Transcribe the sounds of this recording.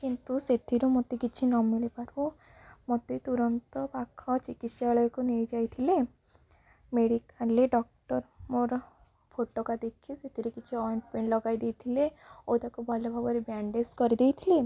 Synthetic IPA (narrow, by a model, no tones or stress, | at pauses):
kint̪uset̪ʰiɾumot̪ekit͡ʃʰinɔmilepaɾu | mot̪ejt̪uɾɔnt̪ɔpakʰɔt͡ʃikit̪ʃaɭɔjkunejd͡ʒajt̪ʰile | meɽikaleɖɔk̚ʈɔɾmoɾ | pʰoʈokad̪ekʰiset̪iɾokit͡ʃʰiɔjɔɳʈpeɳlɔɡajd̪ejt̪ʰileot̪akubʱɔlebʱabɔɾebɾaɳɖeskɔɾid̪ejt̪ʰile